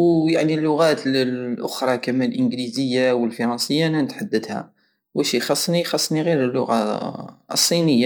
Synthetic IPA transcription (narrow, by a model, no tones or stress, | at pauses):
wjaʕnilːʊɣæt̪əlːʔʊxɾˤɑkæmænlʔənɡlizəjːawəlfɑɾˤɑnsəjːaʔnːænət̪ħad̪ːəd̪hæ̰ | wəʃixɑsˤːnixɑsˤːniɣiɾəlːʊɣa̰ | sˤːinəjːa